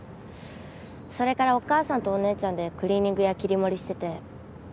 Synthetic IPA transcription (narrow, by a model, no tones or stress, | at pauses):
so̞ɾe̞kaɾao̞kaːsãnt̪o̞ːne̞ːt͡ɕãnd̪e̞kɯ̟ɾʲiːɲ̟ĩŋɡɯ̟jakʲiɾʲimo̞ɾʲiɕi̥t̪e̞t̪e̞